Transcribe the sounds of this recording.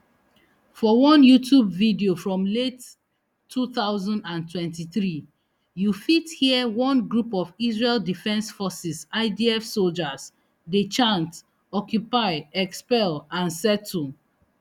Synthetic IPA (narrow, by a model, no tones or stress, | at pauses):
fɔwɔ̃njutʰjubvidiofɹɔ̃mletʰː | uθaʊzɔ̃ndãntwɛ̃ntiθɹi | jufithiəwɔ̃nɡɹupɔvisɹeldifɛ̃nsfɔsisaɪdiɛfsold͡ʒas | det͡ʃãnt | ɔkjupaɪɛkspɛlãnsɛtʰːu